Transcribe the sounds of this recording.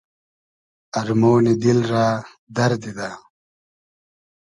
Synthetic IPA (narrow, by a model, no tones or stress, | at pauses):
ɐɾmoːnid̪ilɾaː | d̪ɐɾd̪id̪a